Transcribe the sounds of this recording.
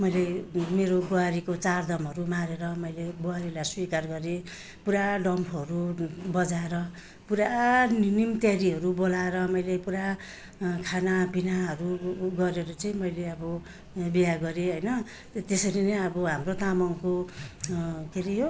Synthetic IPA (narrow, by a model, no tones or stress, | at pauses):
mʌjlemeɾoboaɾikot͡sard̪ʌmʌɾumaɾeɾʌmʌjlebowaɾilajswikarɡʌɾe | puɾaɖʌmpʰʌɾubʌd͡zaeɾʌ | puɾaninimt̪jaɾiɦʌɾubolaeɾʌmʌjlepuɾa | kʰanabinaɦʌɾuɡʌɾeɾʌt͡sʌĩmʌjleʌbʌ | bijaɡʌɾeɦʌjnʌ | t̪esʌɾinʌʌbʌɦamrot̪amʌŋko | keɾijo